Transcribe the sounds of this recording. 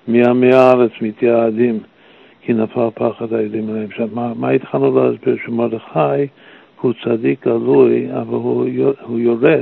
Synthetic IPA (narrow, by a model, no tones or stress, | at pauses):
miameaaɾet͡smit̪ʰjaːd̪im | kʰinafalpʰaχadajodimlaɛmʃamamait̪χalnuləhasbiɾʃəmodəχaj | hut͡sadik̚ɡ̥aluja̰valhuhujoɾɛ